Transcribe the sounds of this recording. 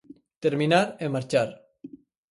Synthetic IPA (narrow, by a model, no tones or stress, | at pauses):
t̪eɾminaɾemːaɾt͡ʃaɾ